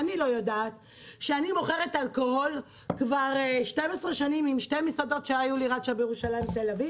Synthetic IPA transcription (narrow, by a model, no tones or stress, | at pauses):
anilo̞jodaːt̪̚ | ʃeanimo̞χeʁetalkohol | kvaʁeʃtemesʁeʃanimimʃte̞misado̞tʃeajuliʁadʃabjeʁuʃalajmbt̪elavi